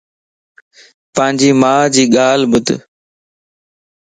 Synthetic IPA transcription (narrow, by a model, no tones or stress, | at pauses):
pə̃ɦɪ̃ɲd͡ʑiːmaːd͡ʑiːɠaːl̤bʊt̪